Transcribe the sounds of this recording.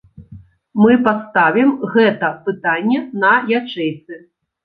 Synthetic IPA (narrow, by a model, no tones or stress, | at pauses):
mɨpat̪st̪avʲimɣɛt̪ɐpɨt̪anʲːɛnɐjat͡ʂɛjt̪sɨ